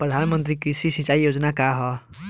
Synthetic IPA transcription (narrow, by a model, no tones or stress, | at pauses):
prʌd̪ʱanmʌnt̪ɾikɾisisĩt͡saijod͡zʌnakaɦʌ